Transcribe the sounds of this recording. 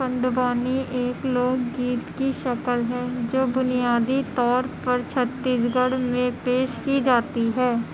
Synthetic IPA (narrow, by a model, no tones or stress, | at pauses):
ə̃ɳɖbaːniʔeːkloːɡːiːt̪kiʃɐkəlɦɛ̃ːd͡ʒoːbʊnijaːd̪it̪ɔːɾpɐɾt͡ʃʰət̪ːiːsɡəɽmẽpeːʃkid͡ʒaːt̪iɦɛː